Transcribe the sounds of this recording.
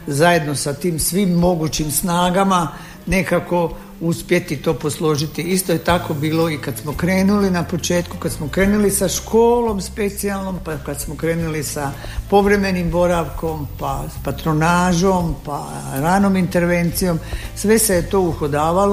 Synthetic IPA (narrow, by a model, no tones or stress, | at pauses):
zaje̞d̪no̞sat̪iːmsʋiːmːo̞ɡuːt͡ɕimsnaːɡama | ne̞kako̞ | uspje̞t̪it̪o̞ːposlˠo̞ʒit̪iist̪ojet̪ako̞biːlo̞ikad̪smo̞kɾe̞ːnulinapo̞t͡ʃe̞ːt̪kukad̪smo̞kɾe̞ːnulisaʃkʰo̞ːlo̞mspe̞t̪sialˠno̞mpakad̪smo̞kɾe̞ːnulisa | po̞ʋɾe̞me̞nimbo̞ɾaʋko̞mpaspat̪ɾo̞naːʒo̞mpa | ɾano̞mint̪e̞ɾʋe̞nt̪sijo̞msʋe̞sejet̪o̞ːuxod̪aːʋalo